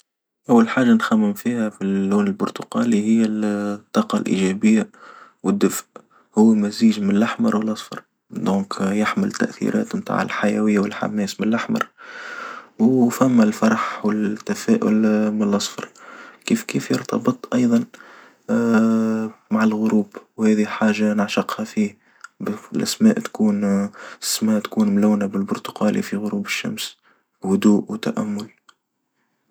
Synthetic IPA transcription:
ʔawːalħaːʒːanxamːɪmfiːhæfiːuːnɪlbʊɾt̪ʊqɑːlihɪjːæt̪ˤːɑːqɑlʔḭʒɛbɪjːawɪd̪ːʊfʔ | hʊwːmæziːʒmɪnlːaħmɑɾˤwəlʔɑsˤfɑ̰ɾˤ | d̪õːkjaħmɪlt̪ːa̰ʔθḭɾɑ̰ːt̪mt̪a̰ːʕɪ̰lħajɛwɪjːawɪlħa̰mɛːsmɪnlːʔaħmɑ̰ɾˤ | wfæmːælfɑɾˤɑħwɪlt̪ːæfæːʔʊ̰lmɪnlʔɑsˤfɑ̰ɾˤkiːfkiːfjəɾt̪ɑbɨt̪ˤʔɑjðˤɑn | maʕalɣʊɾuːbwhæːðiħaːʒanəʕʃɑqhafiː | blʔæ̰smæ̰ːʔt̪kuːn | smæːʔt̪kuːnmlawnabɪlbʊɾt̪ʊ̥qɑːlḭfiɣʊɾuːbɪʃːa̰ms | hʊd̪uːʔwt̪aʔæmːʊl

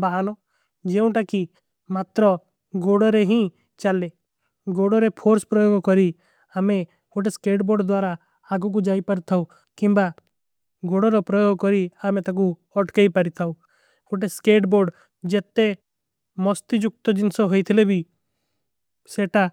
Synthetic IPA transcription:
baɦanɔ | d͡ʒeũʈaki | mat̪ɾɔ | ɡoɽɔɾeɦĩ | t͡ʃale | ɡoɽɔɾepʰoɾspɾɔjoɡkɔɾi | ame | kuʈ̬eskeʈboːɾɖd̪waːɾaː | ɡuk̬ud͡ʒaipaɾt̪ʰaũ | kĩmba | ɡoɽɔɾɔpɾɔjoɡkɔɾiamet̪ak̬u | ɔʈkeipaɾit̪ʰaũ | kuʈeskeʈboɾɖ | d͡ʒet̪ːe | mɔst̪id͡ʒʊk̚t̪ɔd͡ʒɪnsɔɦojt̪ʰilebʱi | seʈa

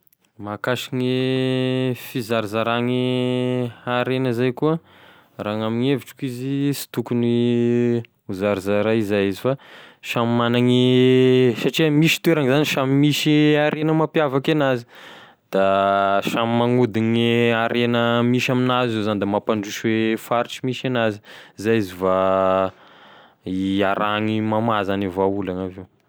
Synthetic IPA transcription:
makaʃiŋi | fizaɾzaɾaŋi | aɾenəzajkuə | raːŋamiŋeviʈ͡ʂi̥kizisi̥t̪ukuni | uzaɾizaɾaizajizifaʃamimanaŋi | saʈ͡ʂiəmiʃi̥t̪weɾaŋizaniʃamimiʃiaɾʔenəmapjavakanazi̥ | d̪̥aʃamimaŋud̪iɲiaɾenəmiʃaminazzezanid̪amapaɳɖ͡ʐuʃwefaɾiʈ͡ʂimiʃanazi̥izajiziva | iaɾaŋimamazanivaulanavew

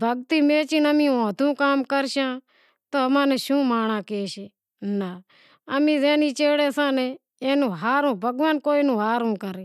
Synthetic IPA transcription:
bʱəɡt̪iːmeːt͡ʃinəmĩõːt̪ũːkaːmkəɾʃãː | t̪oːəmãːnɛːʃũːmaːɽ̃ãːkeːʃe | na | əmĩːzɛːniːt͡ʃeːɽɛːsãːnɛ̃ | eːnũːɦaːɾũːbʱəɡʋaːnkoːiːnũːɦaːɾũːkəɾeː

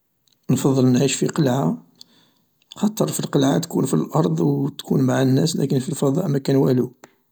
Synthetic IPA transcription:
nfɑðˤːəlnʕiʃfiqəlʕa | xɑt̪ˤəɾˤfilqəlʕat̪kunfilʔɑɾˤd̪ˤwt̪kʰunmaʕanːæslæ̰kənfilfɑd̪ˤɑ̰ʔmækænwælu

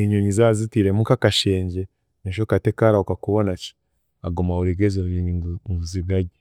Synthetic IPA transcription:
iɲunizaːzitiɾemukakaʃeːɲɟe̞ | neʃ̬okate̞kaɾaukakuβonaci̥ | aɡomauɾiɡezeizuziβjaɟi

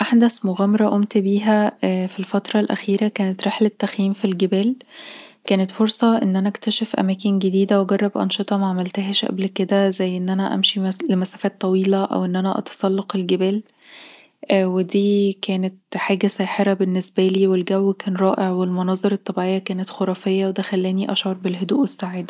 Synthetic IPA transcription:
ʔaħd̪æsmoɣæmɑɾˤɑʔomt̪biːɦæfilfɑt̪ɾˤɑlʔæ̰xiːɾækæːnet̪ɾeħlet̪ːæxjiːmfilɡebæːl | kæːnet̪foɾsˤɑʔenːʔænæʔkt̪æʃæfʔæ̰mæːkenɡed̪iːd̪æweɡɑrˤːɑbʔɑ̰nʃet̪ˤɑmaʕamælt̪æɦæːʃʔæ̰blked̪æzæjːʔenːʔænæʔæ̰mʃilemæsæːfæːt̪ˤːɑwiːlæʔæ̰wʔenːʔænæʔɑ̰t̪ɑ̥sˤɑlːɑqelɡebæːl | wed̪iːkæːnet̪ħaːɡæsæːħeɾɑbenːesbæliːwelɡæwːkæːnɾˤɑːʔeʕwelmonɑːzˤeɾˤɑt̪ˤːɑbiʕejːækæːnet̪xoɾˤɑːfejːɑwed̪æxælːæːniʔɑʃʕoɾˤbelɦod̪uːʔwesːaʕed̪

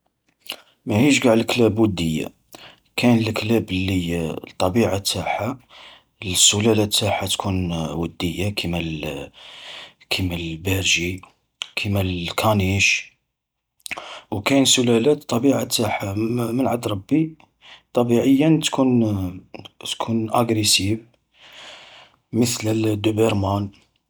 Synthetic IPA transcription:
mæhiʃɡaʕəlklæbwəd̪ːəjːa̰ | kʰænəlklæblːit̪ˤːɑbiʕat̪ʰːaħa | lsʊlælæt̪ːaħat̪kʰunwəd̪ːəjːakʰimæl | kʰimælbæɾʒi | kʰimælkʰɑniʃ | wkænsʊlælæt̪t̪ˤːɑbiʕat̪ːaħamənʕad̪ɾˤɑbːi | t̪ˤːɑbiʕəjːənt̪kʰun | t̪kʰunʔæɡɾisiv | mət̪ləld̪ubəɾˤmɑn

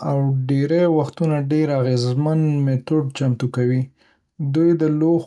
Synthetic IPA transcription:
awɖeɾajwaxt̪unaɖeɾaɣezmanmet̪oɖ̚t͡ʃamt̪ukawi | d̪ujd̪əlo

